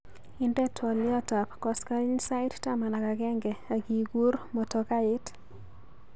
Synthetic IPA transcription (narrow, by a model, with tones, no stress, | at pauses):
ɪ˦ndɛ˦tʰwɔ˨lɪ˦ɔ˦ta˨pkɔ˦ska˦i˦ɲsa˦ɪ˦tta˦ma˨na˨ka˨ɡɛ˦ŋɡɛ˨a˨ɡi˨ɡu˦ɾmɔ˨tɔ˦ka˦ɪ˦t